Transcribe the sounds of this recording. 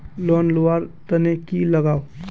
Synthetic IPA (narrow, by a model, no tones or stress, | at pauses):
lɔːnlowaɾt̪ənekiləɡaːo